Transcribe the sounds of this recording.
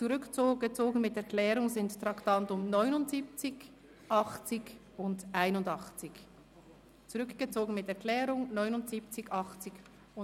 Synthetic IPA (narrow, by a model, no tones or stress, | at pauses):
t͡suʁʏkt͡soɡət͡soːɡən̩mɪt̚d̥ɛːɐklɛːɾʊŋzɪnttʁɑktɑntʊmnɔʏnʊntz̥iːp̚t͡sɪç | ʔɑχt͡sɪç | ʊndʔaɪnʊndɑχt͡sɪç | t͡suʁʏkɡ̥ət͡soːɡən̩mɪtd̥ɛɐkʰlɛːʁʊŋnɔʏnʊntz̥iːp̚t͡sɪçɑχt͡sɪç | ʊ